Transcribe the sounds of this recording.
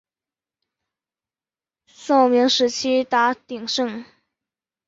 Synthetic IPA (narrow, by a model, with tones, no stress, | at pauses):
so˥˩ʊmi˧˥ŋʂɻ̩˧˥t͡ɕʰi˥t̪a˧˥t̪i˨˩ŋʂɤ˥˩ŋ